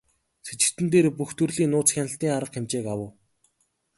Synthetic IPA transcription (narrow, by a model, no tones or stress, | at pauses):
set͡ɕɪ̆kt̪ɘ̆nt̪eːɾpuxt̪ɵrɮiːnʊːt͡sxʲanə̆ɬt̪iːŋaɾə̆qxemt͡ɕeːkawə̆w